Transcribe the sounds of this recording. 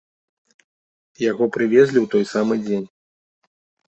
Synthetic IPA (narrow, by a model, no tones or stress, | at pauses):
jaɣɔpɾɨvʲezʲlʲiwt̪ɔjsamɨd͡zʲenʲ